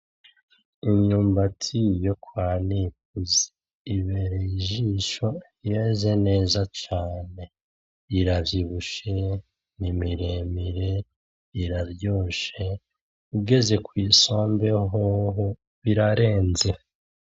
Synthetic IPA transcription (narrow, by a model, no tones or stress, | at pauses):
iɲɲuːmbatʰijokwaːnik̚uzi̥ | iβeɾejiʒiʃo̞ | jeze̞ne̞ːzat͡ʃaːne̞ | iɾavjiβuʃe̞ | nimiɾemiɾe | iɾaɾjo̞ːʃe̞ | uɡe̞ze̞kwiːso̞ːmbe̞ɦoɦo | βiɾaɾe̞ːnze̞